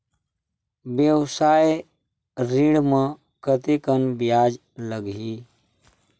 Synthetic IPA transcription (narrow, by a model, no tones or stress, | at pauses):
bjəwsaːj | ɾiɽmə̃ | kət̪ekənbijaːd͡ʒ | ləɡi